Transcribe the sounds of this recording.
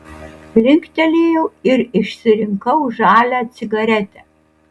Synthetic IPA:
lʲɪŋkt̪ʲɛlʲeːjɛʊɪɾɪʃʲsʲɪɾʲɪŋkɐʊʒɑːlʲæːsʲɪɡɐɾʲɛt̪ʲɛ

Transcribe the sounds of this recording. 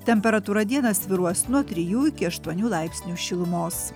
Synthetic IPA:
t̪ʲɛmʲpʲɛɾɐt̪uːɾɐd̪ʲiɛnɐsʲʋʲɪɾuɔsnuɔt̪ʲɾʲɪjuːɪkʲɪɐʃt̪uɔnʲuːlˠɑˑɪpʲsʲnʲuːʃʲɪlˠʊmoːs

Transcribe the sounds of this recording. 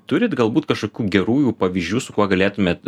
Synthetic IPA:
t̪ʊɾʲɪt̪ɡɐlˠbuːt̪kɐʃkoːkʲuːɡʲɛɾuːjuːpɐʋʲiʒʲd͡ʒʲuːsʊkuɔɡɐlʲeːt̪ʊmʲeːt̪

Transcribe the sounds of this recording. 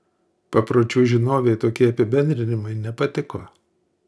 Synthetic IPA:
pɐpɾoːt͡ʃʲuːʒʲɪnoːʋʲeɪt̪oːkʲiɛɐpʲɪbʲɛnʲd̪ʲɾʲɪnʲɪmɐɪnʲɛpɐt̪ʲɪkoː

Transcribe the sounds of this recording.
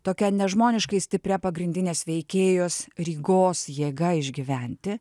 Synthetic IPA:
t̪oːkʲɛnʲɛʒmoːnʲɪʃkɐɪsʲt̪ʲɪpʲɾʲɛpɐɡɾʲɪnʲd̪ʲɪnʲeːsʋʲɛɪkʲeːjoːsɾʲiːɡoːsjeːɡɐɪʒʲɡʲɪʋʲɛˑnʲt̪ʲɪ

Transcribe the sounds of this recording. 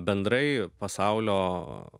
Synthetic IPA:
bʲɛnd̪ɾɐɪpɐsɐʊlʲoː

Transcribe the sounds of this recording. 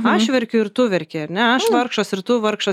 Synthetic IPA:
ɐʃʋʲɛɾʲkʲʊɪɾt̪ʊʋʲɛɾʲkʲeɐɾʲnʲɛɐʃʋˠɐɾkʃɐsɪɾt̪ʊʋɐɾkʃɐ

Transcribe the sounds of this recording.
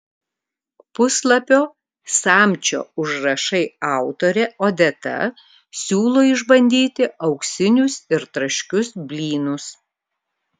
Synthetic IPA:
pʊslˠɐpʲoː | sɑːmʲt͡ʃʲo̰ːʊʒɾɐʃɐɪɑˑʊt̪oːɾʲɛoːd̪ʲɛt̪ɐ̰ | sʲuːlˠoːɪʒbɐnʲd̪ʲiːt̪ʲɪɐʊksʲɪnʲʊsɪɾt̪ɾɐʃʲkʲʊsbʲlʲiːnʊs

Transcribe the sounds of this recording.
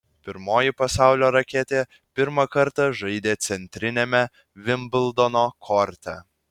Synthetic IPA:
pʲɪɾmoːjɪpɐsɑˑʊlʲoːɾɐkʲeːt̪ʲeː | pʲɪɾmɐkɐɾt̪ɐʒɐɪd̪ʲeːt̪sʲɛnʲt̪ʲɾʲɪnʲɛmʲɛ | ʋʲɪmbʲɪlˠd̪onoːkʰɔɾʲt̪ʲɛ

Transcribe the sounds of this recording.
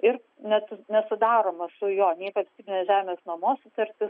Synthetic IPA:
ɪɾ | nʲɛt̪ʊnʲɛsʊd̪ɑːɾoːmɐsʊjoːnʲɛɪʋɐlʲstʲiːbʲɪnʲeːʒʲæːmʲeːsnɐmoːsʊt̪ɐɾʲt̪ʲɪs

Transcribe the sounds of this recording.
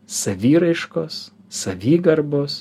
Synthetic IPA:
sɐʋʲiːɾɐɪʃkoːsː | ɐʋʲiːɡɐɾboːs

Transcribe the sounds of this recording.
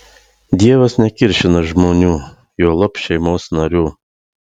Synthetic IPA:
d̪ʲiɛʋɐsnʲɛkʲɪɾʲʃʲɪnɐʒmoːnʲuː | joːlˠɐpʃʲɛɪmoːsnɐɾʲuː

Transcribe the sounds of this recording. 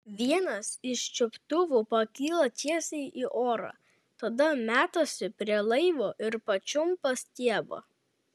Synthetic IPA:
ʋʲiɛnɐsɪʃt͡ʃʲʊpt̪ʊʋʊpɐkʲiːlˠɐt̪ʲiɛsʲɛɪiːʔoːɾɑ̰ː | t̪ɐd̪ɐmʲæːt̪osʲɪpʲɾʲiɛlˠɐɪʋoːʔɪɾpɐt͡ʃʲʊmpɐsʲt̪ʲiɛbɐ̰

